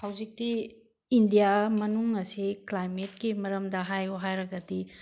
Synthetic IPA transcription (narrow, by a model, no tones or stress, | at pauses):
hawzik̚ti | indijamɐnuŋːɐsiklajmet̚kimɐɾɐmdɐɦajuɦajɾɐɡɐdi